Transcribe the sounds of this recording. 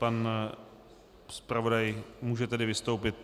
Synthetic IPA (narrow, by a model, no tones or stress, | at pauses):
pan | spɾavo̞dajmuːʒɛt̪ɛdɪvɪst̪owpɪt̪